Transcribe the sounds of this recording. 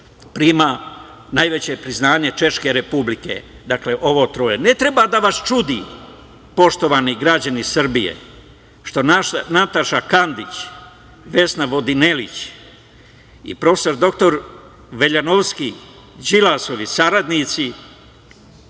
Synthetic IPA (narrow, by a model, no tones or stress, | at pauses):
pɾima | najʋe̞t͡ɕe̞pɾiznaːɲe̞t͡ʃe̞ʃke̞ɾe̞publike̞̰d̪akle̞ʔo̞ʋo̞ːt̪ɾoːjene̞t̪ɾe̞bad̪aʋast͡ʃud̪iː | po̞ʃt̪o̞ʋaniɡɾad͡ʑanisr̩bijḛ | ʃt̪o̞nanat̪aʃakand̪it͡ɕ | ʋe̞snaʋo̞d̪inelit͡ɕ | ḭpɾo̞fe̥so̞ɾd̪o̞k̚t̪o̞ɾ | ʋe̞ʎanoʋski | d͡ʑilasoʋisaɾad̪nit̪si